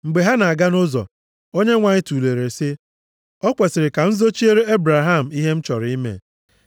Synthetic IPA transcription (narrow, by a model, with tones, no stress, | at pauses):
ŋ͡m̩˨ɡ͡be˨ɦa˦na˨a˨ɡa˦no˦zɔ̰˨ | o˦ɲe˦ŋʷa˨ɲɪ˦tu˨le˨ɾe˨sɪ˦ | ɔ˦kʷe˨sɪ˨ɾɪ˨ka˨n̩˦zo˦t͡ʃi˦e˦ɾe˦e˦bɾa˨ɦa˦˨m̩˨i˦ɦe˦m̩˦t͡ʃɔ˨ɾi˦mḛ˦˨